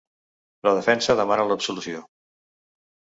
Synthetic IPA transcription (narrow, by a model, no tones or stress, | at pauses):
ləðəfɛnsəðəmanələbsulusio